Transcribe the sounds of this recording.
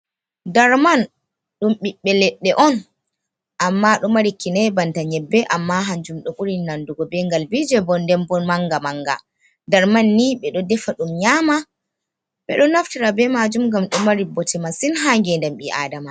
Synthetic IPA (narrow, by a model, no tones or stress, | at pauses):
daɾman | ɗumɓiɓːɛlɛɗːɛʔɔn | ʔamːaɗɔmaɾikːinɛbantaɲɛbːɛʔamːaɦaɲd͡ʒumɗɔʔuɾinːanduɡɔbɛŋɡalbid͡ʒɛbɔndɛmbɔnmaŋɡamaŋɡa̰ | daɾmanːiɓɛɗɔdɛfaɗumɲaːma | ɓɛ̰ɗɔnaftiɾabɛmad͡ʒumɡamɗɔmaɾibɔtʰɛmasinɦaŋɡɛndɛmɓiʔa̰dama